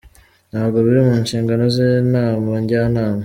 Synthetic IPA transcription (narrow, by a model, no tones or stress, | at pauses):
nhaːbɡoβiɾimuːnʃiːŋɡano̞zenaːmaɲɟanaːma